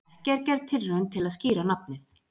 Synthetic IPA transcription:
cɛɾcɛɾðt̪ʰɪrːœnt̪ʰɪlaðsciːɾanap̚nɪθ

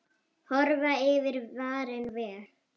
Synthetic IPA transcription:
hɔɾvaɪvɪɾvaːɾɪnvɛːl

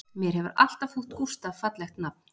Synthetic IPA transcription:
mjɛɾ̥hɛvʏɾa̰l̥t̪afuht̪kust̪avfat̪lɛxt̪nap̚nɪ

